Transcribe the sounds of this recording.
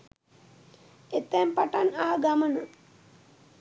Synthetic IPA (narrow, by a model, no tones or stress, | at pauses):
et̪ːɛmpaʈanaɦaɡamənə